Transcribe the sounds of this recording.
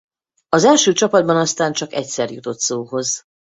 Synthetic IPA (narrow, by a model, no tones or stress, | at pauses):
ɒzɛlʃøːt͡ʃɒpɒd̪̚bɒnɒst̪aːnt͡ʃɒkɛcsɛrjut̪o̞t̪soːɦo̞z